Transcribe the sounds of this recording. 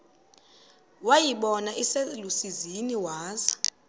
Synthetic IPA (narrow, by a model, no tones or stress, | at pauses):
wajiɓɔnaʔiselusiziniwaːsḁ